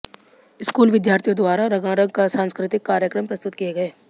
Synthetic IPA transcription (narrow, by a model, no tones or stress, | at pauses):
ɪskuːlʋɪd̪jaːɾt̪ʰijõd̪waːɾaɾɐɡãɾə̃ɡ̚kasãːnskɾɪt̪ɪkːaːɾjəkɾəmpɾɐst̪ʊt̪kijeɡɐeː